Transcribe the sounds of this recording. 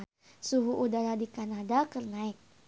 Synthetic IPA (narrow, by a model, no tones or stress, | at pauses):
suɦuʔudaɾadikanadakərnaɪk̚